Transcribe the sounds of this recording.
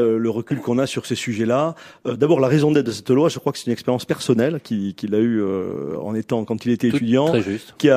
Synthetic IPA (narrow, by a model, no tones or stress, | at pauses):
øləʁəkʲylkɔ̃nasyʁsesyʒɛlaød̪abɔʁlaʁezɔ̃d̪ɛt̪̚d̪əsɛ̥t̪lwaʒəkχwakə̥sɛ̥t̪ynɛkspeʁjɑ̃spɛʁsɔnɛlkʲikʲilayø̰ɑ̰̃net̪ɑ̃kɑ̃t̪ilet̪ɛet̪yd̪jɑ̃ɛʒyst̪kʲia